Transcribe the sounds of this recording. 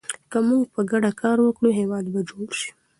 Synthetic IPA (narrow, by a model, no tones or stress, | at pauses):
kəmuɡpəɡaɖakʰɑɾwəkɽuɦewɑd̪bad͡ʒoɽʃi̥